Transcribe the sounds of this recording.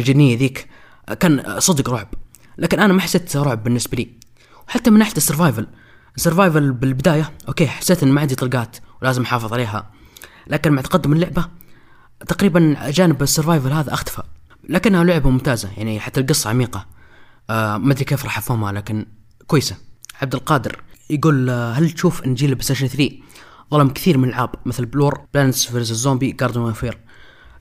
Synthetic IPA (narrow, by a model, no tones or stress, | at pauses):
d͡ʒɪd̪nijːaðiːk | kaːnsˤɨd̪ɡɾˤʊʕb | lʔaːkɪnʔanamaħasːeːt̪ɾˤʊʕbːɪnːɪsbaliː | wħat̪ːamɪnʔaħlt̪ɪsːɨɾvaːjval | ʔsɨɾvaːjvalbɪlbɪd̪aːjaʔokeːħḁsːeːt̪ʔɪnmaʕɪnd̪it̪ˤɑlɡaːt̪wlaːzɪmʔħɑːfɨðˤʕaleːɦa̰ | laːkɪnmaʕt̪ḁqad̪ːʊmɪlːʊʕba | t̪aqɾiːband͡ʒaːnɪbɪsːɨɾvaːjvalɦaːðaʔaxt̪ḁfa | lakɪnːhalʊʕbamʊmt̪aːzajaʕniħat̪ːalɡɨsˤːɑʕamiːqɑ | mad̪ɾikeːfɾˤɑːħafhʊmhalaːkɪn | kwajːsaʕab̚d̪ɪlqɑːd̪ɪ̰ɾjɡuːlɦalt̪ʃuːfʔɪnd͡ʒiːlɪbɪst̪aʃnθɾiːðˤɑlɑmkθiːɾmɪnɪlʕaːbmɪθlbluːɾˤblaːnsfɪɾzɪzːoːmbiɡɑɾˤd̪umafiːɾ